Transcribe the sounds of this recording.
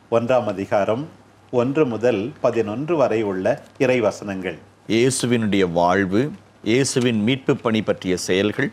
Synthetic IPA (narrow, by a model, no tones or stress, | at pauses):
ɔndraːmɐðɪɣaːɾɐm | ɔndrɯmʊðɐlpɐðɪnɔndrɯʋɐɾɐɪɯɭːɐɪrɐɪʋɐsɐnɐŋɡɐɭ | jeːsɯʋɪnɯɽɐjɐʋaːɻʋɯ | jʔeːsɯʋɪnmiːʈ̚pɯpːɐɳipːɐʈrɪjɐsɛjɐlɣɐɭ